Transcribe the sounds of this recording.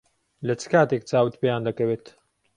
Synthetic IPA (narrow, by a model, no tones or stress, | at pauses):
lɐt͡sʰɨ̥kaːt̪ek̚t͡saːwɨt̪pejaːnd̪ɐkɐweːt̪